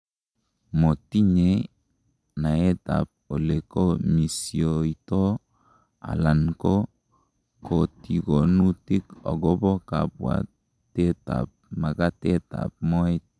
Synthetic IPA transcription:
mo˨ti˦ɲe˨ | na˨e˦ta̰˨p̚o˨le˨ko˦mi˨sio˨i˨tɔ˦ | a̰˨la˨nko˦ | ko˨ti˨ɡo˨nu˦ti˦kɔ̰˨ɡɔ˦bɔ˦ka˨pwa̰˨ | te˦ta̰˨p̚ma˨ka˦te˦ta̰˨p̚mɔ˦ɛ˦t̚

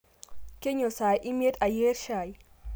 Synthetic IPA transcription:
ke˦ɲo˨sa˨jʔi˦m˦e˦ta˨je˦ɾʃaː˨j

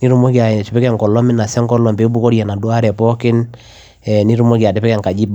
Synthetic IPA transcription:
ni˦ɾu˦mo˦ki˨a˨t͡ʃi˨pɛ˦kɛ˨ŋkɔ˨lɔ˦mɪ˦na˨sɛ˦ŋkɔ˦lɔ˨mbe˨˦bu˦ko˦ɾjɛ˨na˨dwa˦ɾɛ˨pɔ˦kɪ˦n | ɛ˨ni˦ɾu˦mo˦ki˨a˨de˨˦pɛ˦kɛ˨ŋka˨d͡ʒi˦b

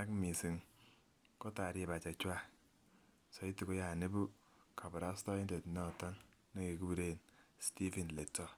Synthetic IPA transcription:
a˦kmi˨si˨ŋ | kɔ˦ta˨ɾje˨ba˨t͡ʃa˨t͡ʃwa˦ | sɔ˨i˦ti˨ko˦ja˨ne˦bu˦ | kʰa˨bɔ˨ɾa˦stɔ˦i˦nde˨tnɔ˨tɔ˦ŋ | ne˦ke˨ku˦bu˨ɾe˦˨nsti˦fi˨nle˨tɔ˦

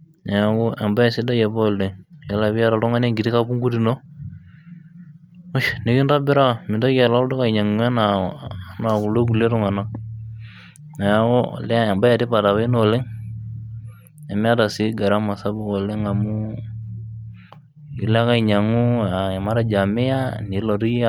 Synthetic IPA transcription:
na˨ja˦kɔ˦a˨mba˦ɛ˨si˦da˦jɛ˨bɔ˦˨le˦ŋja˨la˨βi˦a˦ta˨tɔ˦ŋa˦ne˦ŋɡi˨ti˦ka˦pu˦ŋɡu˦ti˦no˦ | o˦ʃne˨ki˦nda˦bɪ˦ɾa˦˨mɪ˨nda˦kɛ˨la˦do˦ka˨i˨ɲa˨ŋu˦a˦na˨˦na˨ku˨lo˦k̬u˨le˦tɔ˦ŋa˨na˦ | na˨ja˦kɔ̰˦˨lɛ˦˨ba˦ja˨tɪ˦pa˨ta˨βa˦i˦no˦˨le˦ŋ | a˨mɪ˦a˦da˨si˦ɡa˨ɾa˦ma˨sa˦bʊ˦ko˨le˦ŋa˨mu˦ | i˨la˦ka˦i˨ɲa˨ŋu˦a˨a˨ma˦ɾa˦d͡ʒa˨mɪ˦ja˦ni˨˦lo˨tu˦ji˦˨

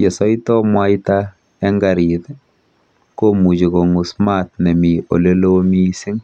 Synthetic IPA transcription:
jɔ˨sɔ˦jtɔ˦mwa˦jta˦ | ɛ˦ŋɡa˨ɾi˨t | ko˦mu˨t͡ʃi˨ko˨ŋu˨sma˦tne˨mi˨o̰˨le˦lo˦mi˦si˦ŋ

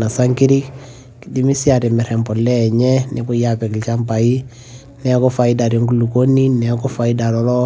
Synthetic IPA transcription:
na˨sa˦ŋki˦ɾi˦k | ki˨di˦mi˦si˦a˨ɾi˨mɛ˨ɾɛ˨mpɔ˨lːɛː˦˨ɲɛ˦nibu˦japɛ˨ki˨lt͡ʃampa˨i˦ | nɛ˦kɔfaida˨ɾɔ˦ŋɡu˦lu˨ko˦ni˦nɛ˨kɔ˦fa˨i˦da˨ɾɔ˦lɔ˦

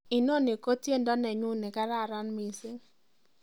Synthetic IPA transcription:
ɪ˨no˦˨nɪ˨ko˦tje˦ndɔ˦nɛ˨ɲʊ˦nɪ˨ka˦ɾa˦˨ɾa˦nmi˨se˦

